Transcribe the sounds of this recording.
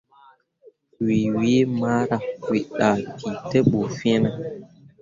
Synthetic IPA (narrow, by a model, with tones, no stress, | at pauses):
wi˨wi˦ma˦ɾa˨wi˨ɗa˨ki˨tɛ˦ɓo˨fĩ˦e˦na˨